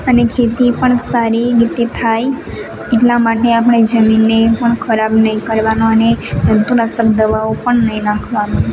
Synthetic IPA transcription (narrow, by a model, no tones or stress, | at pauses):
ənekʰet̪ipəɳsaɾiɡit̪it̪ʰaj | eʈlamaʈeapɽ̃ed͡ʒəminːepəɳkʰəɾabnəɦĩkəɾʋanoəned͡ʒənt̪uɾasəkd̪əʋaopəɳnəɦĩnãkʰʋano